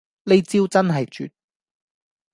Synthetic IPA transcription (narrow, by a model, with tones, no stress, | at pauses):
le˨˧jt͡siː˥wt͡sɐ˥nɦɐ˨jt͡ʃy̰ː˨t̚